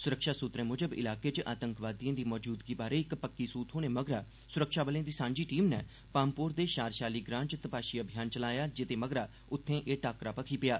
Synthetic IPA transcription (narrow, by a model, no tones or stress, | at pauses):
sʊɾəkʃaːsʊt̪ɾẽːmʊd͡ʒəbɪ̰laːkeːt͡ʃʔa̰ːt̪ə̃ŋkʋaːd̪ijãːd̪iːmɔːd͡ʒuːd̪ɡiːbaːɾeːɪkpəkːiːsuːt̪ɦoːneːməɡɾaː | sʊɾəkʃaːbəleãːd̪iːsãːɲd͡ʒiːʈiːmnɛː | paːmpʊːɾd̪eːʃaːɾʃaːliːɡɾãːnt͡ʃt̪əpaːʃiːəbʱɪjaːnt͡ʃəlaːjaːd͡ʒɪt̪eːməɡɾaː | ʊt̪ʰːẽːʔeːʈaːkɾaːpəkʰiːpɪjaː